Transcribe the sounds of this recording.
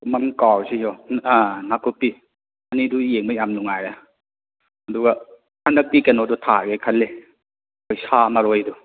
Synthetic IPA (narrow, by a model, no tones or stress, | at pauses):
mɐmkawsijɔanakʰupːi | ɐnidujeŋmɐjamnuŋajɾa | hɐduɡa | hʰanɐk̚tikenɔdutʰabekʰɐlːe | kojsamaɾojdu